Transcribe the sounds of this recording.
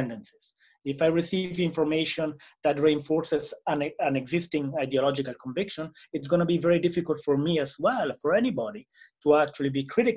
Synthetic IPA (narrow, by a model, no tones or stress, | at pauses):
ɛ̃ndɛ̃nsi̥z̥ | ɪfajɹisivĩɱfɔɹmeʃɔ̃nd̪ætɹiɛ̃ɱfɔɹsɪzãnãnɛɡzɪst̪ɪ̃ŋajdiɔlɔd͡ʒikalkɔ̃ɱvɪkʃɔ̃nɪtsɡonəbivɛɹidɪfikəltfɔɹmiɛzwɛlfɔɹɛnibɔɾituæk̚t͡ʃualibikʰɹɪɾɪk